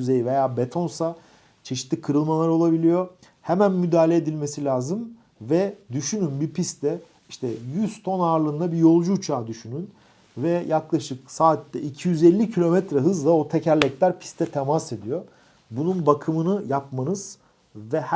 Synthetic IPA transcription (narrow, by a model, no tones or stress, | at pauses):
yzejive̞jaːbe̞t̪ʰo̞nsa | t͡ʃʰe̞ʃi̥t̪ʰːʲikʰɯɾɯlˠmalˠaɾo̞lˠabilʲijo̞ | hemænmyd̪aːlʲeed̪ilʲme̞silʲaːzɯm | vɛd̪yʃynynbiɾpʰist̪ʰɛ | iʃt̪ʰɛjyzt̪ʰo̞naːɾlˠɯnd̪abijo̞lˠd͡ʒuːt͡ʃʰaːd̪yʃynyn | vɛjaklˠaʃɯksaːt̪ːɛʔicʰijyzelʲːicʰilʲo̞mɛt̪ɾɛɦɯzlˠao̞t̪ʰecʰæɾlʲɛclʲæɾpʰi̥st̪ʰɛt̪ʰemase̞d̪ijo | bununbakʰɯmɯnɯjap̚manɯz̥ | vɛh